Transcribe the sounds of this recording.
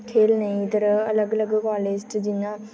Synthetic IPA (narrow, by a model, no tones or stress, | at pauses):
kʰeːlnɐĩt̪əɾɐləɡələɡkaːlɪsʈd͡ʒɪnãː